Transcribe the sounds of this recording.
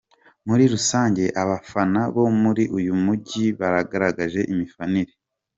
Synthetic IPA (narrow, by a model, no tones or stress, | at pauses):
muɾiɾusaːɲɟe̞ʔaβafanaβo̞muɾiʔujumuɟiβaɾaɡaɾaɡaʒe̞ʔimifaniɾe